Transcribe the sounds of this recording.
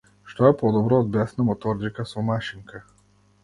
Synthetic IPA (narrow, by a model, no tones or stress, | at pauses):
ʃt̪ɔjɛpɔd̪ɔbɾɔːd̪̚bʲasnɐmɔt̪ɔɾʲd͡ʒikɐsɔmaʃiŋka